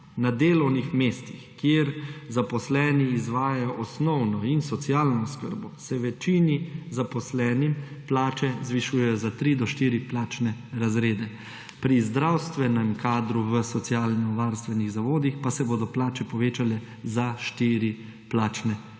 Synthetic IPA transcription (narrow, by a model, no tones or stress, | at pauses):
nad̪eːlɔwnixmeːst̪ixkjeɾzapɔslɛːniːzʋaːjajɔʔɔsnɔwnɔinsɔt̪sjaːlnɔːskə̰ɾbɔsɛʋɛt͡ʃinizapɔslɛːnimplaːt͡ʃɛzʋiʃuːjɛjɔzat̪ɾid̪ɔʃt̪iːɾiplaːt͡ʃnɛɾazɾeːd̪ɛ | pɾizd̪ɾawst̪ʋɛnɛmkaːd̪ɾuʋəsɔt̪sjaːlnɔʋaɾst̪ʋɛniɣzaʋoːd̪ixpasɛboːd̪ɔplaːt͡ʃɛpɔʋeːt͡ʃalɛ | zaʃt̪iːɾi | plaːt͡ʃnɛ